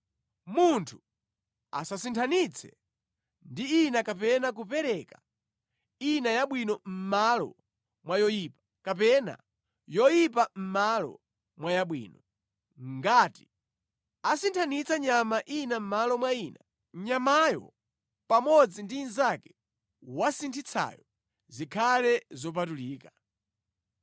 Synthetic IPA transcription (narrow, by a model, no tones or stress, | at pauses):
muntʰu̥ | a̰sasintʰanit͡sʰɛ̰ | ndiinakapɛnak̬upɛɾɛka | inajaɓwinɔm̩malɔ̰ | mwajɔjiːpḁ | kapɛna̰ | jɔjipam̩malɔ̰ | mwajaɓwḭːnɔ | ŋɡati | asintʰanit͡saɲamaʔinam̩malɔmwaina | ɲamajɔ̰ | pamɔd͡zindiːnzakɛ̥ | wasintʰit͡sʰa̰jɔ | zikʰalɛzɔp̬atuliːka